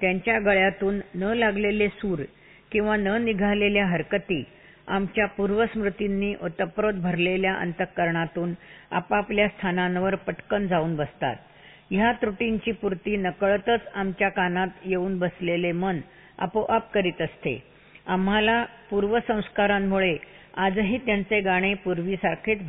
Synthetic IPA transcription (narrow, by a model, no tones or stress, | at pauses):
t̪jaɲt͡ɕjaɡəɭjat̪uːnːəlaɡlelesuːɾ | kĩw̃ʋanəniɡʱaleljaɦəɾkət̪iː | a̰mt͡ɕjapuɾʋəsmɾut̪inːiːʔot̪əpɾot̪̚bʱəɾleljaʔə̰nt̪əkːəɾɳat̪uːna̰papljast̪ʰanãnʋəɾpəʈkənd͡zauːnbəst̪a̰t̪̚ | jat̪ɾuʈint͡ɕiːpuɾt̪iːnəkəɭt̪ət͡samt͡ɕjakanat̪jeuːnbəslelemən | a̰poʔəpkəɾiːt̪əst̪ḛ | am̤alapuɾʋəsə̃w̃skaɾamːuɭead͡zɦiːt̪jant͡seɡaɽ̃epuɾʋiːsaɾkʰet̪